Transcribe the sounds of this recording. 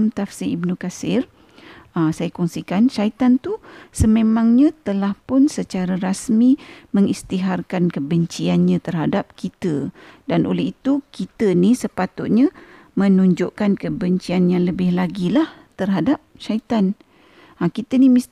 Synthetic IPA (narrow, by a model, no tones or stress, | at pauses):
mt̪afsiibnukasɪr | asajakɔŋsikanʃait̪ant̪usəmẽmãŋɲãt̪əlahpʊnsət͡ʃaɾaɾasmiməŋist̪iɦarkankəbəɲt͡ʃianɲãt̪ərɦadap̚kit̪ədanʔo̰lɛɦit̪ukit̪ənisəpat̪ʊt̪̚ɲã | mə̃nuɲd͡ʒʊʔkankəbəɲt͡ʃianjaŋləbɪhlaɡilaht̪ərɦadap̚ʃait̪an | akit̪ənimi